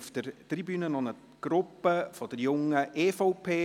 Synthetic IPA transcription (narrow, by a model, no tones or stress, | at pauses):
fd̥əɾt̪ribyːnənɔnə | ɡ̥ɾʊpːəfɔd̥əɾjʊŋəʔeːfoʊpʰeː